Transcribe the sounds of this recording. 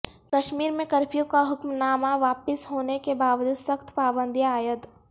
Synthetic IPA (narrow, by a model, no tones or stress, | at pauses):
kəʃmiːɾmẽkɐɾpʰijũkaɦʊkmnaːmaʋaːpɪsɦoːnekebaːʋd͡ʒʊd̪səxt̪ʰpaːbə̃nd̪ʱjaːjət̪